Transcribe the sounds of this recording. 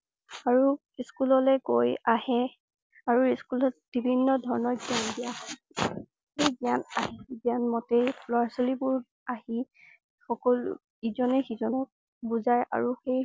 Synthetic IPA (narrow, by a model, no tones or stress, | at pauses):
aɹu | iskulɔlɛɡojahɛ | aɹuiskulɔt̚b̥ibʱinːɔdʱɔɹɔnɔɹɡiandijaɦɔj | xejɡiana̰ɦiɡijanmɔteplɔaɹsolibʊɹ | ahi | xɔkɔlṵ | izɔnɛxizɔnɔk̚ | buzajʔa̰ɹuxej